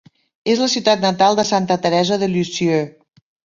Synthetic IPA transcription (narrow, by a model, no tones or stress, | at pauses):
ezləsiwt̪at̪nət̪alˠd̪əsant̪ət̪əɾɛzəðəʎysiø